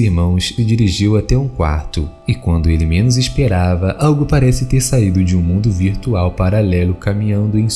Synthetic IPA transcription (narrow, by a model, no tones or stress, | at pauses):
iɾmɐ̃w̃sɪd͡ʒiɾiʒiwat̪ɛũkwa̰ɾt̪ʊ | ɪkwɐ̃nd̪ʊelɪmẽnʊzispeɾavɐʔawɡʊpaɾɛsɪt̪eɾsaid̪ʊd͡ʒɪũmũnd̪ʊviɾt̪uawpaɾalɛlʊkamĩɲɐ̃nd̪ʊẽj̃s